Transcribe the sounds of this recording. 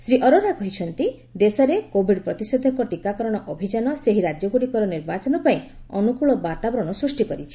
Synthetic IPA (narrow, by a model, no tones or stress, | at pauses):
sɾiʔɔɾoɾakɔɦit͡ʃʰɔnt̪i | d̪esɔɾekobʱiɖpɾɔt̪isɔd̪ʱɔŋkɔʈikakɔɾɔɽ̃ɔʔɔbʱid͡ʒanɔseɦiɾad͡ʒjɔɡuɽikɔɾɔniɾbat͡ʃɔnɔpaĩ | ɔnukuɭɔbat̪abɾɔɽ̃ɔsɾusʈikɔɾit͡ʃʰi̥